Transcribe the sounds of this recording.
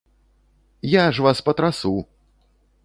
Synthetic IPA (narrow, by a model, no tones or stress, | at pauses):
jaʐvaspɐt̪ɾasu